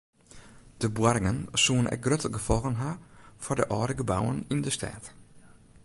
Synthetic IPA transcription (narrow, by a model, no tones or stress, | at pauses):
d̥əbwaɾɪŋənsuːənɛ̰k̚ɡrøtʰəɡəfɔlˠɣənɦafɔdəʔɔːɾəɡəbawənindəstʰɛ̰ːt